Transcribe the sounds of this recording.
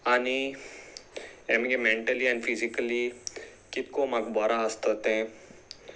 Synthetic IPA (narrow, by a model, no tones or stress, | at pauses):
ani | emɡemẽɳʈəliɛ̃nɖfʰizikəli | kit̪̚komɐkbaːɾaɦɐst̪ət̪ẽ